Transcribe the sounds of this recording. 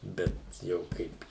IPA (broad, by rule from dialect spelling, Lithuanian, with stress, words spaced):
ˈbʲɛt jɛʊ ˈkɐɪp